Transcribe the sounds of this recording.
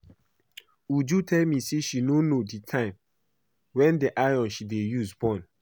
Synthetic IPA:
ud͡ʒutʰɛlmiseʃinonoditʰãɪ̃m | wɛ̃ndiʔaɔ̃nʃidejusbɔ̃n

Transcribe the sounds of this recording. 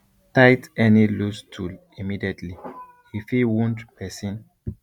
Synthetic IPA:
tajtɛnilustʰul | imidiɛtʰli | hifiwɔ̃ndpʰɛsĩn

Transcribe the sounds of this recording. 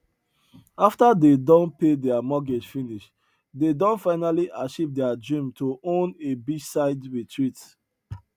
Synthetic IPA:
aftadedɔ̃npedɛamɔɡɛd͡ʒfiniʃ | dedɔ̃nfaɪnaliʔaʃivdɛadɹĩmtʰoʔõnebid͡ʒsaɪdɹitʰɹit

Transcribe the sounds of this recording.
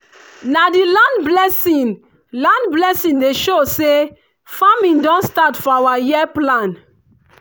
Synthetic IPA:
nadilãndblɛsĩn | lãndblɛsĩndeʃose | famĩndɔ̃nstatfɔawajiplãn

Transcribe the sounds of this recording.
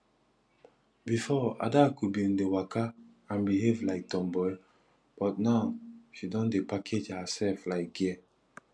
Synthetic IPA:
bifɔa̰dakubĩndewakʰa | ãnbiɦevlaɪk̚tɔ̃mbɔj | b̥ɔt̚naʊʃidɔ̃ndepakʰed͡ʒhasɛlflaɪk̚ɡɛ

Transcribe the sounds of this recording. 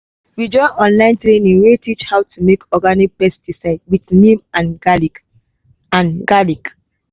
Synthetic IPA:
wid͡ʒɔ̃ɪʔɔ̃nlãɪ̃ntɹenĩŋwetʰit͡ʃhawtʰumekʰɔɡanik̚pɛstisaɪdwitnĩmãnɡali | ãnɡalik

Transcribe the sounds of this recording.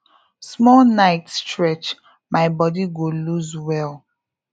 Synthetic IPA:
smɔlnaɪtstɹɛt͡ʃ | maɪbɔdiɡoluzwɛl

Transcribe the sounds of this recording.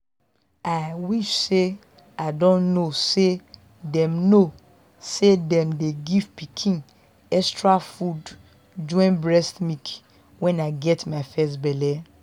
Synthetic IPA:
aɪwiʃse | aɪdõnnose | dɛ̃mno | sedɛ̃mdeɡivpikʰĩn | ɛstɹafud | d͡ʒɔ̃ɪ̃nbɹɛstmik | wɛ̃naɪɡɛtmaɪfɛstbɛlɛ

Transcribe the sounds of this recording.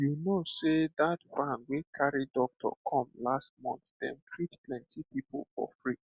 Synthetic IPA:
junosedatbãnwekʰaɹidɔk̚tʰɔ̰kʰɔ̃mlast̚mɔ̰̃nθd̥ɛ̰̃ntʰɹitplɛ̃ntʰipiplfɔ̰fɹi

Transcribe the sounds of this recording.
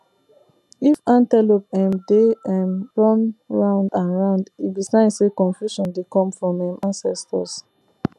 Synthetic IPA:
ifãntɛlopɛ̃mdeɛ̃mɹɔ̃nɹãʊ̃ndãnɹãʊ̃ndibisãɪ̃ndsekɔ̃nfjuʃɔ̃ndekɔ̃mfɹɔ̃mɛ̃mʔãnsɛstɔ̰s

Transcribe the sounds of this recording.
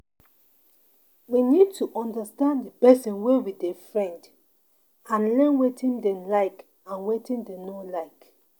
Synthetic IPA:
winid̚tʰuʔɔ̃ndəstãndəpɛsĩnwewidefɹɛ̃nd | ãnlɛ̃nwetʰĩndɛ̃mlaɪk | ãnwetĩndɛ̃nolaɪk

